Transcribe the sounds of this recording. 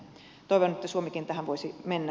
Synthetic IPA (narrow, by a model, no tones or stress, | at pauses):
t̪oˑiʋonet̪ːæsuomikint̪æhæʋoisimenːæ